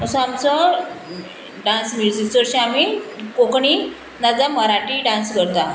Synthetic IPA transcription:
əsɔ̃amt͡sə | ɖãnsmid͡zit͡səɾɕĩamikokɳi | nad͡zaməɾaʈiɖãnsɡəɾt̪a

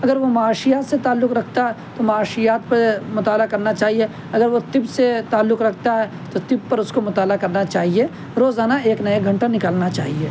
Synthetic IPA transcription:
ɐɡəɾʋomaaːʃijaːt̪set̪aːlːʊkɾɐkʰt̪aɦɛ | t̪omɐaːʃijaːt̪pɐmʊt̪aːlakɐɾnat͡ʃaːɦie | ɐɡəɾʋot̪ɪbset̪aːlːʊkɾɐkʰt̪aɦɛ | t̪ot̪ɪb̚pɐɾʊskomʊt̪aːlakɐɾnat͡ʃaːɦie | ɾoːzaːnaeːknɐjeɡʱɐ̃ɳʈanɪkaːlnat͡ʃa̰ːɦieː

